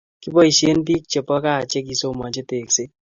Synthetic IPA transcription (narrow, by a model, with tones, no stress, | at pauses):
ki˦bɔ˦i˨ʃe˦ndi˦k̚t͡ʃe˨pɔ˦ka˦˨t͡ʃe˦k̬i˨so˦ma˨ɲd͡ʒe˦te˨kse˦